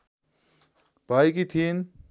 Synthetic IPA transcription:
paːikit̪ʰiːn

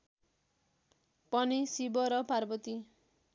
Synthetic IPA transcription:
pʌnisibʌɾʌparbʌt̪i

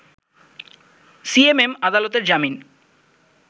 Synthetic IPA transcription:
siememad̪alot̪eɾd͡ʑamin

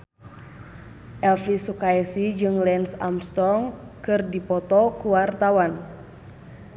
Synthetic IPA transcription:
ʔɛlfisukaɛsid͡ʒɨŋlɛnsa̰mst̪ɔŋ | kɨrdipɔt̪ɔkuwart̪awan

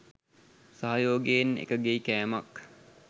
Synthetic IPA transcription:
saɦajoːɡeenḛkəɡeikæːmak

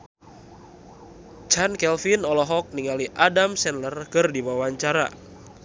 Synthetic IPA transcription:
t͡ʃankɛlfinɔlɔɦɔk̚niŋaliʔadamsɛnlərkɨrdiwawaɲt͡ʃaɾa̰

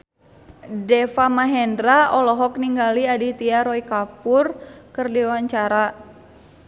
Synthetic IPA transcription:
dɛfamaɦɛndɾaɔlɔɦɔkniŋɡaliadit̪iaɾɔikapʊrkɨrdiwaɲt͡ʃaɾa

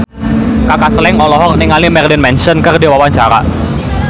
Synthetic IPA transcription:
kakasəlɛŋɔlɔɦɔrniŋalimɛrlinmɛnsɔnkɨrdiwawaɲt͡ʃaɾa̰

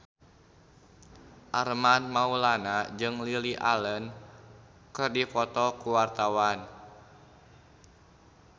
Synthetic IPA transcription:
ʔarmanmaulanad͡ʒɨŋliliʔa̰lən | kɨrdifɔt̪ɔkuwart̪awan

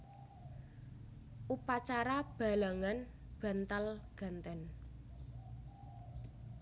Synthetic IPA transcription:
ʔupat͡ʃaɾab̥a̤laŋan | b̥a̤nt̪alɡ̥a̤nt̪ɛn

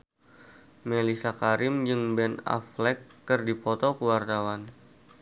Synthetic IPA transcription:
melisakaɾɪmd͡ʒɨŋbɛna̰flɛkːərdipɔt̪ɔkəwart̪awan

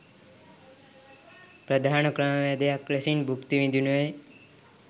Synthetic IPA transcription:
pɾəd̪ʱankɾəɳʋed̪jakɾesinbʱukt̪iʋid̪ʱinue

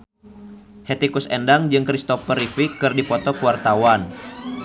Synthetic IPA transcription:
het̪ikusɛndaŋd͡ʒɨŋkɾist̪ɔfəɾifikɨrdipɔt̪ɔkuwart̪awan

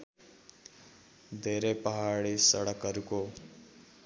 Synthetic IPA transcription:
d̪ʱeɾepəɦaɽisʌɽʌkːʌɾuko

